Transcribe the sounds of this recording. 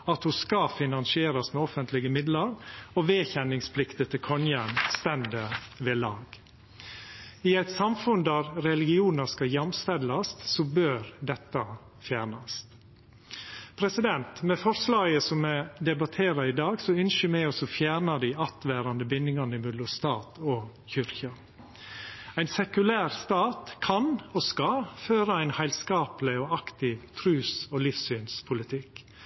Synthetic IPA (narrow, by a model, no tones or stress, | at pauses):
ɑt̪hʊskɑfɪnɑnsɪeːɾɑsmɛɔfənt̪lɪɡəmɪd̪lɑɾɔʋeːçɛnɪŋspʰlɪkt̪ət̪ʰɪkʰɔnjənst̪ɛnd̪əʋɛːlɑːɡ | ɪæɪt̪sɑmfʉnd̪æɾɾɛlɪɡɪuːnəskɑjɛmst̪ɛlːɑst̪sɔbøːɾd̪ɛt̪ːɑ | fjæːɾɳɑst̪ | pʰɾɛsɪd̪ɛnt̪mɛfɔɾslɑːɡəsɔmɛd̪ɛbɑt̪ʰeːɾɑɾɪd̪ɑːɡsɔʏnʃəmɛɔsɔfjæːɾɳɑd̪iɑt̪ʋæːɾɑnd̪əbɪnːɪŋɑnɪmʉd̪lʊst̪ɑːt̪ʰɔçʏɾçɑ | æɪnsɛkʉlæːɾst̪ɑːt̪kʰɑnɔskɑføːɾɑæɪnhæɪlskɑːplɪɔɑkt̪ɪʋt̪ʰɾʉːsɔlɪfsyːnspʰʊlɪt̪ʰɪk